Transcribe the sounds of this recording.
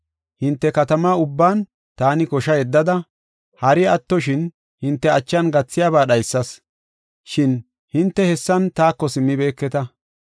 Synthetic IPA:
hɪnt̪ːɛkɐt̪ɐmaːʊbːaːn | t̪aːnɪkɔʃɐjɛd̪ːɐd̪ɐ | hɐɾɪɐt̪ːɔʃɪn | hɪnt̪ːɛɐt͡ʃːɐnɡɐt͡sːɪjaːβaːɗɐjsːɐs | ʃɪn | hɪnt̪ːɛhɛsːɐnt̪aːkːɔsɪmːɪbe̞ːkːɛt̪ɐ

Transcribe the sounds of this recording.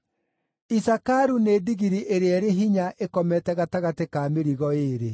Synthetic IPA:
isakaɾuneːdiɣiɾiʔeɾeɛɾeɦiɲaʔekɔmɛtɛɣataɣatekaːmeɾiɣɔeːɾe

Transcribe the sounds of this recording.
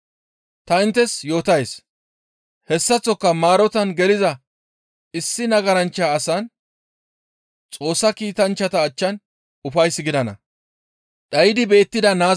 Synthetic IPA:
t̪ɐɪnt̪ːɛsjo̞ːt̪ɐjs | hɛsːɐt͡sːɔkːɐmaːɾɔt̪ɐnɡɛlɪzɐ | ɪsːɪnɐɡɐɾɐnt͡ʃːaːsaːn | t͡sʼo̞ːsːɐkiːt̪ɐnt͡ʃːɐt̪ɐːt͡ʃːɐn | ʊfɐjsːɪɡɪd̪ɐnɐ̰ | ᶑɐjɪd̪ɪbe̞ːt̪ːɪd̪ɐnaː

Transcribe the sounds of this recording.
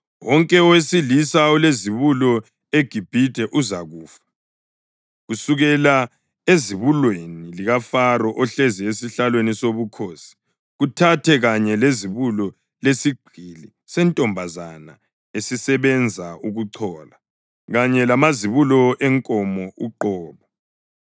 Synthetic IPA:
wɔŋkʼɛɔwesilisaɔleziβulɔ | eɡ̥ʱib̥ʱid̥ʱɛʔuzaɣuːfḁ | ɣusuɣɛla | eziβulweniliɣafarɔʔɔɬeziesiɬalwenisoβukʰoːsi̥ | ɣutʰatʰɛɣaɲɛleziβulɔ | lesiɡ͡ǀʱili | sɛntʼɔmbʱazana̰ | esisɛβɛnd͡zʱauɣuǃʰɔːla | ɣaɲɛlamaziβulɔʔɛŋkʼɔmɔuǃɔːβa

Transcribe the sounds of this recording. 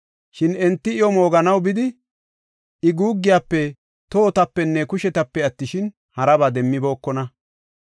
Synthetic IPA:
ʃɪnɛnt̪ːɪɪjɔmo̞ːɡɐnɐwbɪd̪ɪ | ɪɡuːɡːɪjaːpːɛ | t̪oːt̪ɐpːɛnːɛkʊʃɛt̪ɐpːɛɐt̪ːɪʃɪn | hɐɾɐbaːd̪ɛmːɪbo̞ːkːɔnɐ

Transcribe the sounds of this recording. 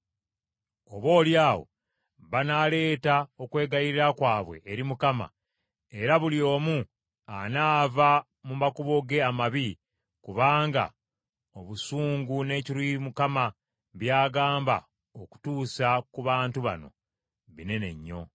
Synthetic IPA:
oβo̞ːljaːwo̞̰ | βanale̞ːtao̞kwe̞ːɡajiɾiɾakwaːβwe̞̰ʔːɾimukama̰ | e̞ɾaβuljo̞ːmu | anaːva | mumakuβo̞ɡe̞amaβi | kuβaːŋɡa̰ | o̞βusuːŋɡune̞ːciɾwimukama | βjaːɡaːmba̰ | oku̥tuːsakuβaːntuβa̰no̞̰ | βine̞ne̞̰ɲːo̞̰

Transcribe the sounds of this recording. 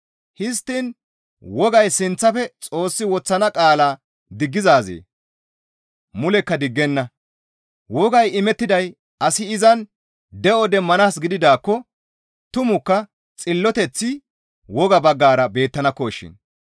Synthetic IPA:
hɪs̬t̪ːɪn | wɔɡɐjsɪnt͡sːɐfɛt͡sʼo̞ːsːɪwɔt͡sːɐnɐkʼaːlaː | d̪ɪɡːɪzaːzḛː | mʊlɛkːɐd̪ɪɡːɛnːɐ | wɔɡɐjɪmɛt̪ːɪd̪ɐj | ɐsɪɪzɐn | d̪ɛʔɔd̪ɛmːɐnaːsɡɪd̪ɪd̪aːkːɔ | t̪ʊmʊkːɐ | t͡sʼɪlːɔt̪ɛt͡sːɪ | wɔɡɐbɐɡːaːɾɐbe̞ːt̪ːɐnɐkːɔʃɪ̰n

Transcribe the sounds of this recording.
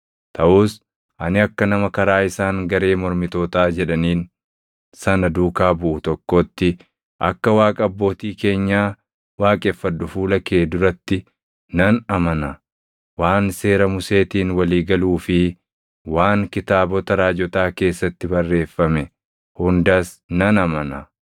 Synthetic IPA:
t̪ʰɐʔuːs | ʔɐnɪɐkːɐnɐmɐkɐɾaːɪsaːŋɡɐɾe̞ːmɔɾmɪt̪o̞ːt̪aːd͡ʒɛᶑɐniːn | sɐnɐd̪uːkaːbʊʔʊt̪ɔkːoːt̪ːɪ | ʔɐ̰kːɐwaːkʼɐɐbːo̞ːt̪iːke̞ːɲːaː | waːkʼefːɐd̪ːʊfuːlɐke̞ːd̪ʊɾɐt̪ːɪ | nɐnɐmɐnɐ | waːnse̞ːɾɐmʊse̞ːt̪iːnwɐliːɡɐluːfɪ | waːŋkɪt̪aːbɔt̪ɐɾaːd͡ʒɔt̪aːke̞ːsːɐt̪ːɪbɐrːe̞ːfːɐmɛ | hʊnd̪aːs | nɐnɐmɐnɐ

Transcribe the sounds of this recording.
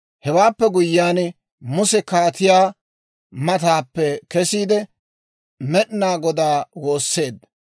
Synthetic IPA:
hɛwaːpːɛɡʊjːaːn | mʊsɛkaːt̪ɪjaː | mɐt̪aːpːɛkɛsiːd̪ɛ | mɛɗɪnaːɡɔd̪aːwo̞ːsːe̞ːd̪

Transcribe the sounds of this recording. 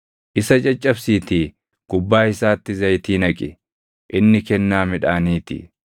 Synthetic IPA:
ʔɪsɐt͡ʃʼɐt͡ʃʼːɐbsiːt̪i | ɡ̥ʊbːaːɪsaːt̪ːɪzɐjt̪iːnɐkʼɪ | ʔɪnːɪkɛnːaːmɪᶑaːniːt̪ɪ̰

